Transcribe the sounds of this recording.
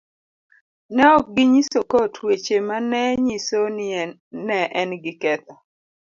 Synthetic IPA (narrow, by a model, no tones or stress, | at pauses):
nɛɔk̚ɡɪɲisokotʰwet͡ʃemanɛɲisonɪ | nɛʔɛnɡɪkɛt̪a